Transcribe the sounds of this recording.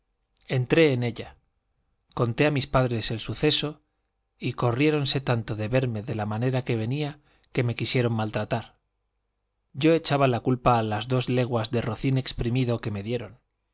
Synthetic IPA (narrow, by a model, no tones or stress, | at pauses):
e̞nt̪ɾe̞ːne̞ʎa | ko̞nt̪e̞amispaðɾe̞se̞lsuθe̞so̞ | iko̞rje̞ɾo̞nse̞t̪ant̪o̞ðe̞βe̞ɾme̞ðe̞lamane̞ɾake̞β̞e̞nia | ke̞me̞kisje̞ɾo̞ŋmalt̪ɾat̪aɾ | ɟ͡ʝo̞e̞t͡ʃaβalakulpaːlazðo̞zle̞ɣ̞wazðero̞θine̞kspɾimiðo̞ke̞me̞ðje̞ɾo̞n